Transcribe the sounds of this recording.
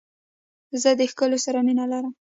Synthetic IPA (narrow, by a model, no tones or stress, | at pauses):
zəd̪əxkəlosaɾaminalaɾəm